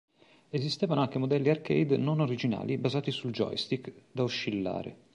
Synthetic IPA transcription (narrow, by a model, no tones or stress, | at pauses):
ezist̪eːvanoaŋk̟emod̪ɛlːiarkɛ̰jd̪nonoɾid͡ʒina̰ːlibazaːt̪isuld͡ʒɔ̰jst̪ikd̪auʃːilːa̰ːɾḛ